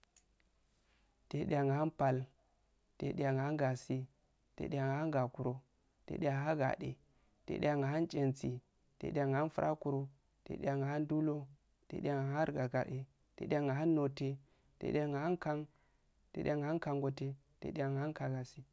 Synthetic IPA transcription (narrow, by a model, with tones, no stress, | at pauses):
te˨ɗe˨ja˨ŋɡa˨ha˦npa˨l | tḛ˨ɗja˨ŋɡa˨ha˦nɡa˨si˨ | tḛ˨ɗa˨ŋa˨a˦nɡa˨ku˨ɾo˨ | tḛ˨˦ɗe˦a˨ŋ˦a˦ɡa̰˨ɗe˨ | tḛ˨ɗḛ˦a˨ŋa˨ɦa˦nt͡ʃʼe˨nt͡si˨ | tḛ˨˦ɗe˦a˨ŋɡa˨a˦nfu˦ɾʔa̰˦ku˨ɾo˦ | tḛ˨˦ɗḛ˦a˨ŋɡa˨ha˦ndu˦lo˦ | tḛ˨˦ɗa˨ŋa˨˦a˦ɾɡa˨ɡa˨ɗe˨ | tḛ˨˦ɗe˦a˨ŋɡa˨ɦa˦nːo˨te˨ | tḛ˨ɗe˦a˨ŋɡa˨ha˦nka˦ŋ | tḛ˨˦ɗ̰ʲa˨ŋɡa˨a˦nka˨ŋɡo˨te˦ | tḛ˨˦ɗe˦a˨ŋɡa˨ha˦ka˨ɡa˨si˨